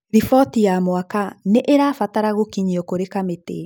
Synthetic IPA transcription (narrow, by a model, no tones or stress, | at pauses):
ɾifɔtijamwakaneʔeɾaːfataɾaɣokiɲiɔkoɾekametḛ